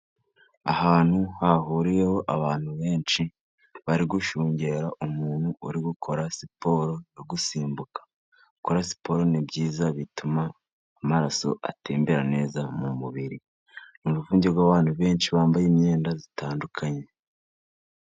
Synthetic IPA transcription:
a̰haːn̥huhaɦuːɾijeho̞ʔaβaːn̥huβe̞ːnʃi | βaɾiɡuʃuːɲɟe̞ɾaʔumuːnhuuɾiɡukʰo̞ɾasipo̞ɾo̞joɡusiːmbukḁ | ɡuko̞ɾasi̥po̞ɾo̞nibɟiːzaβitumaː | maɾaso̞̰ʔa̰teːmbeɾane̞ːzamumuβiɾi | numuvuːɲɟebɡwaːβaːn̥huβe̞ːnʃiβaːmbajimɲe̞ːndazitaːndukʰaɲe̞

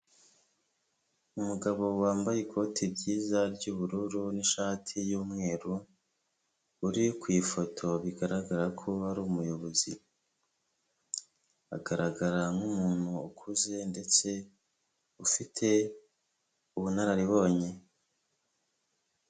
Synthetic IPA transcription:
umuɡaβo̞waːmbajekʰo̞ːtʰibɟiːzaɾɟuːβuɾuɾuniʃaːtʰijuːmŋe̞ːɾu | ɾikwiːfo̞tʰo̞βiɡaɾaɡaɾakʰoaɾuːmujo̞βo̞zi | a̰ɡaɾaɡaɾaŋɡumuːn̥huːkʰuze̞nde̞t͡se̞ | ufitʰe̞ | uβunaɾaɾiβo̞ːɲe̞

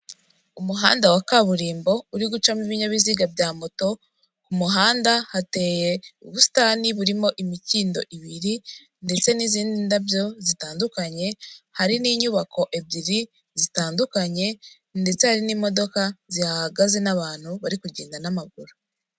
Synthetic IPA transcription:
umuɦaːndawakaβuɾiːmbo̞uɾiɡut͡ʃamiβiɲaβiziɡabɟaːmoto̞ | kumuɦaːndahate̞ːjeuβusi̥taniβuɾimo̞ʔimiciːndo̞̰ʔiβiɾi | nde̞t͡se̞niziːndindabjo̞zitaːndukaɲe̞haɾiniːɲuβakʰo̞ʔebɟiɾi | zitaːndukaɲe̞ | nde̞t͡se̞haɾiniːmo̞do̞kazihaɡaze̞naβaːn̥huβaɾikuɟeːndanamaɡuɾu

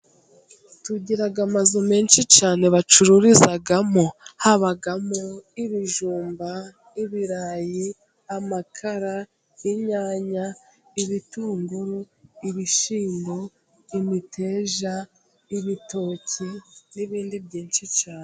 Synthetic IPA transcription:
tuɟiɾaɡamazome̞ːnʃit͡ʃaːne̞βat͡ʃuɾuɾizaɡamohaβaɡamoiβiʒuːmba | iβiɾaji | amakʰaɾa | jiɲaːɲaiβituːŋɡuɾu | iβiʃiːndo | imitʰe̞ːʒa | iβito̞ːcʰiniβiːndibɟiːnʃit͡ʃaːne

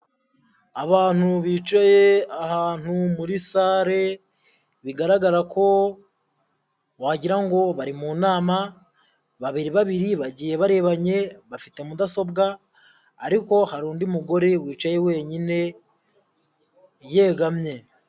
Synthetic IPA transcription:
aβaːn̥uβiːt͡ʃajeahaːn̥umuɾisaːɾe̞ | βiɡaɾaɡaɾakʰo̞ | waɟiɾaŋɡo̞βaɾimuːnaːma | βaβiɾiβaβiɾiβaɟiːje̞βaɾe̞βaɲe̞βafite̞mudaso̞bɡaː | ɾiko̞haɾuːndimuɡo̞ɾe̞wiːt͡ʃaje̞we̞ːɲine̞ | je̞ːɡamɲe̞

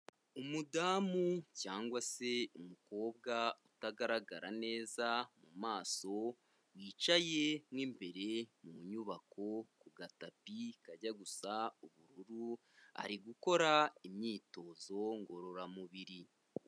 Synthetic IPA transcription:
umudaːmucaːŋɡwase̞umuko̞ːb̚ɡautaɡaɾaɡa̰ɾane̞ːzamumaːso̞ | wiːt͡ʃaje̞mwiːmbe̞ɾe̞muɲuβakʰo̞kuɡatapikaɟaɡusauβuɾuɾu | a̰ɾiɡuko̞ɾaimɲiːto̞ːzo̞ŋɡo̞ɾo̞ɾamuβiɾi

